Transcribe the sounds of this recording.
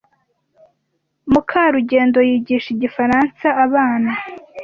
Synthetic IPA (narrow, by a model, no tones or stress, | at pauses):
mukʰaɾuɟe̞ːndo̞jiːɟiʃiɟifaɾansaaβaːna